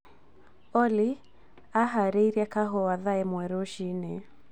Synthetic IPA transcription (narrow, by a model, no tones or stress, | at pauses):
ɔli | aɦaɾɛɾiakaɦɔwaðaɛmwɛɾɔʃinɛ